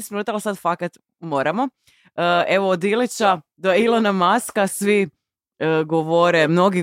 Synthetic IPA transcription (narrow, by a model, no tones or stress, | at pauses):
isminuːt̪alsad̪fakat̪ | mo̞ːɾamo | əe̞ʋoːd̪ilit͡ɕad̪oilˠonamaskasʋi | əɡoʋoɾemno̞ɡi